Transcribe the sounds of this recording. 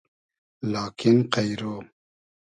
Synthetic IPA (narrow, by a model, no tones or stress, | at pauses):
laːkinqajɾo